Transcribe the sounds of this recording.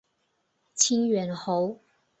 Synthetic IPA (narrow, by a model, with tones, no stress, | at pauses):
t͡ɕʰi˥ŋɥɛ˨˥nho˨˦ʊ